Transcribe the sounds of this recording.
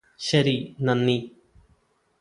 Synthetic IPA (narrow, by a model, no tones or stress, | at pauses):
ɕɐɾinɐnːi